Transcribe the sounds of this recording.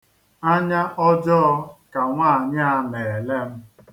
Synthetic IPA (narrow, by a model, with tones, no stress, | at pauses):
a˦ɲa˦ʔɔ˦d͡ʒɔ˦ɔ˦ka˨ŋʷaː˦˨ɲa˦le˨le˦m̩˦